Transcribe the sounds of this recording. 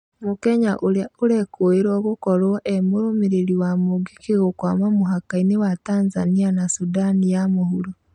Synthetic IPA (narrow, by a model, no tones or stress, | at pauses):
mokɛɲaʔoɾaoɾɛkoeɾɔɣokɔɾɔʔɛmoɾomeɾeɾiwamoɡikeɣokwaːmamoɦakainewataːnzanianasudanijamohuɾo